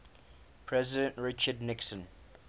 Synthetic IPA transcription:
pʰɹɛzɪdə̃ntɹɪt͡ʃədnɪksə̃n

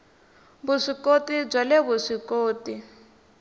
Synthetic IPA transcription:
buʂikotib͡ʐaleβuʂikoːti

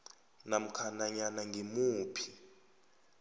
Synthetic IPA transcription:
nam̩kʰanaɲanaŋɡʱimuːpʰi̥

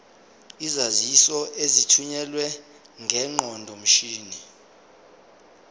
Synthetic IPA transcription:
izazisɔʔezitʰuɲɛlwɛ | ŋɡʱɛŋ͡ǃɔndʱɔm̩ʃiːni

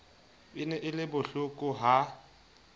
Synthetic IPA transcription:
ɪnɛʔɪlɪbʊɬʊkʼʊɦa

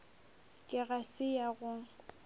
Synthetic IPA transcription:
kʼɪɣasɪjaɣʊ

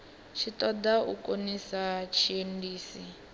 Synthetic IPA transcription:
ʃitɔdaukʼonisat͡ʃʰiendiːsi

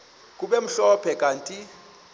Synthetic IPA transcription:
k̬ʼuɓɛm̩ɬɔpʰɛk̬ʼaːntʼi

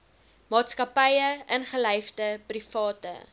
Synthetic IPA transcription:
mɑːtskɐpəjəʔənχəlɛjfdəprifɑːtə̰

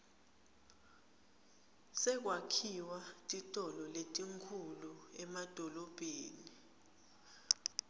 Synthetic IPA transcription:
sɛk̬wakʰiwatʼitʼɔlɔletʼiŋkʰuluɛmad̥ʱɔlɔb̥ʱeːni

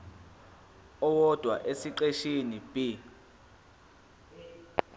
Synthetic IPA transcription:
ɔwɔd̥ʱwa̰ʔesiǃeʃinib̥i

